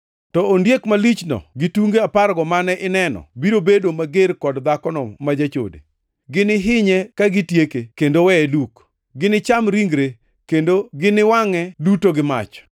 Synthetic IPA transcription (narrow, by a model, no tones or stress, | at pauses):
tɔondjekmalit͡ʃnɔ̰ɡɪtuŋɡeapaɾɡɔmanɛʔɪnɛnɔ̰biɾobedomaɡeɾkɔdd̪akɔnɔmad͡ʒat͡ʃo̰dḛ | ɡɪnɪɦɪɲɛkaɡɪtjekekendowɛɛduk | ɡɪnɪt͡ʃamɾiŋɡɾe | kendoɡɪnɪwaŋɛdutoɡɪma̰t͡ʃ